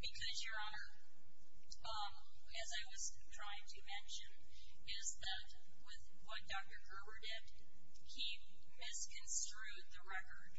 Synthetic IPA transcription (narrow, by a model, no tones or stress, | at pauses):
b̥ɨkʰʌzjə˞ɑnə˞ | ʌ̃ | ɨzaɪwʌz̥ | tʰɹ̥aɪɪ̃ŋtʰɨmɛ̃nʃɨ̃n | ɪzðɨt̚ | wɪð | wʌt̚d̥ɑk̚tə˞ɡɜ˞bə˞dɪd̥̚ | hi | mɪskʰɨ̃nstɹ̥ʉd̪̚ðɨɹɛkə˞d̥